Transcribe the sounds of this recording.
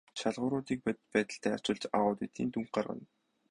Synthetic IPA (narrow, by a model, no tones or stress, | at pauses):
t͡ɕaɮʁʊːɾʊːt̪iːk̚ppæːt̪ə̆ɬt̪ʰæːḁt͡ɕɪ̆ɮt͡ɕa̰ʁʊːt̪it̪iːnt̪uŋɢarʁə̰̆n